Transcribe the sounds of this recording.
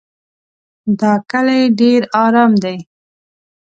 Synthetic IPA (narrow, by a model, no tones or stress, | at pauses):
d̪ɑkəlajɖeɾɑɾɑmd̪aj